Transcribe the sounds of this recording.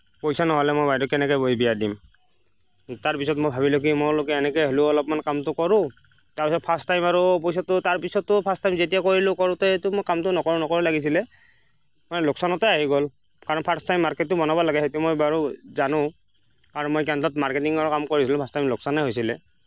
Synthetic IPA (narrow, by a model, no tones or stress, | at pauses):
pojsanɔɦɔlɛmojbajdɔkɛnɛkɔjboibijadim | taɹpisɔtmojbʱabilokimɔlokɛɛnɛkɛjɦolʊɔlɔp̚mankamtʊkɔɹʊ̃ | taɹpisɔt̚pʰastajmaɹupojs̬ɔtʊtaɹpisɔtːʊpʰastajmzetijakoɹilʊ̃kɔɹʊ̃tɔejtʊmojkamtʊnɔkɔɹʊ̃nɔkɔɹɔlaɡis̬ilɛ | manɛlʊksɔnɔtɔaɦiɡol | kaɹɔnpʰastajmːaɹkɛtːʊbɔnabɔlaɡɛɦejtumojbaɹuzanʊ̃ | kaɹɔnmojkɛntɔtmaɹketiŋɔɹɔkamkoɹisilʊ̃pʰastajmlʊksɔnɛɦojsilɛ